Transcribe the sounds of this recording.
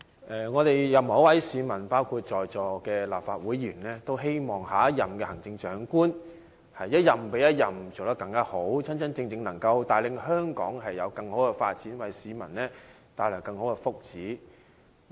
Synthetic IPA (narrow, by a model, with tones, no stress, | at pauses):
ʔɛː˨ŋɔː˨˧t̪e˨jjɐ˨mɔ˨˥wɐ˨˥jsiː˨˧mɐ˨˩npaː˥wkʰu˧t̚t͡ʃɔː˨jt͡sɔː˨˩kɛː˧la̰ː˨pfaː˧t̚wuː˨˥jːyː˨˩nlɛː˥t̪o˥wɦe˥jmɔː˨ŋɦaː˨˥ɐ˥t̚jɐ˨mkɛ˧hɐ˨˩ŋt͡sɪ˧ŋt͡ʃœː˨˥ŋkuː˥n | hɐ˨jːɐ˥t̚jɐ˨mpe˨˥jɐ˥t̚jɐ˨mt͡so˨˩t̪ɐ˥kɐ˧ŋkaː˥ho˨˥wt͡sʰɐ˥nt͡sɐ˥nt͡sɪ˧ŋt͡sɪ˧ŋnɐ˨˩ŋkɐ˧wt̪aː˨jlɪ˨ŋɦœː˥ŋkɔ̰ː˨˥ŋɦɐ˨jːɐ˨˧wkɐ˧ŋho˨˥wkɛ˧fa̰ː˧t̚t͡siː˨˥nwɐ˨˩jsiː˨˧mɐ˨˩nnɛː˥ | t̪aː˨˧jlœː˨˩wkɐ˧ŋho˨˥wkɛ˧fʊ˥k̚t͡siː˨˥